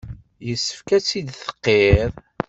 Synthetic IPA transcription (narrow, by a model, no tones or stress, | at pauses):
jəsːə̥fkæt͡sːid̪θə̥qːeðˤ